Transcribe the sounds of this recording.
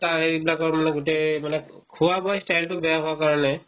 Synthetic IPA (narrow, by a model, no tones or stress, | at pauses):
taɹeibilakɔɹmanɛɡutejmanɛ | kʰuwabɔjstajltʊbɛjaxɔakaɹɔnɛ